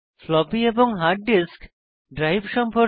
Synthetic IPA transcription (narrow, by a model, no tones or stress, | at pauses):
flɔbieboŋɦaɾʈ̚ɖisk | ɖɾajbʃɔmpo